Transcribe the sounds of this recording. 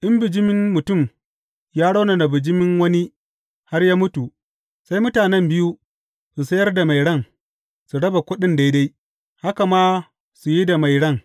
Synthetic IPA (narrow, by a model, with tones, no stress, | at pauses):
ʔɪ˦mbɪ˨d͡ʒɪ˦mɪ˦ŋːʊ˨tʊ˦˨m | jaː˦ɽa˦wna˨na˨bɪ˨d͡ʒɪ˦mɪ˦ŋwɐ˦ni˦ | ha˦rjaː˦mʊ˦tu˨ | sa˦jmʊ˦taː˨nɛ˦mbɪ˦ju˦ | su˨sɐ˦jɐ˦rda˨ma˨jɽɐ˦˨ŋ | su˨ɽɐ˦ba˨kʷʊ˦ɗɪ˦nda˦jda˦j | ha˦ka˨maː˦ | su˨ji˦da˨ma˨jɽɐ˦˨ŋ